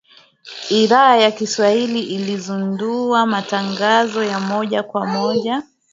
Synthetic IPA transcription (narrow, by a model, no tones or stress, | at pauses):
iðaajakiswahiliʔilizunduamataŋɡazɔjamɔʄakwamɔʄa